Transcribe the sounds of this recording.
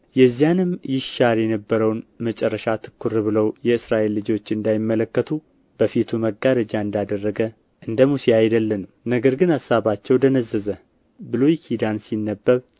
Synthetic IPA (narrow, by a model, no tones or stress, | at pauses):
jɛzːijanɨmjɪʃaɾjɛnəbːəɾəwnmət͡ʃʼɛrːəʃat̪ʰɨ̥kːuɾɨβɨləwjɛɨsɾaʔe̞lːɨd͡ʒo̞t͡ʃːɨnd̪ajɪmːələkːət̪ʰu | b̥əfit̪ʰuməɡaɾəd͡ʒaɨnd̪ad̪ərːəɡə | ʔɨnd̪əmusiajd̪əlːənə | nəɡəɾɡɨnasːaβat͡ʃːɛwd̪ənəzːəzə | bɨlo̞jkʰid̪ansinːəbːəβ